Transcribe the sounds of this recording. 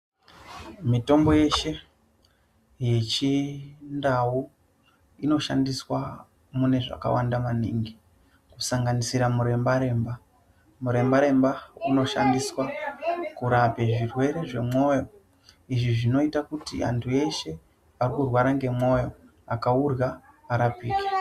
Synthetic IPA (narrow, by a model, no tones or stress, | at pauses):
mito̞mbo̞je̞ʃe̞ | je̞t͡ʃindau | ino̞ʃa̰ndiswa | mune̞ʐa̰ka̰wa̰ndamaniŋɡi | kusaŋɡanisiɾamuɾe̞mbaɾe̞mba | muɾe̞mbaɾe̞mbauno̞ʃa̰ndiswakuɾape̞ʐirwe̞ɾe̞ʐe̞mo̞jo̞ | iʐiʐino̞itakutḭʔa̰ntʰue̞ʃe̞ | arikurwaɾaŋɡe̞mo̞jo̞ | akaurɣaː | ɾapiːki̥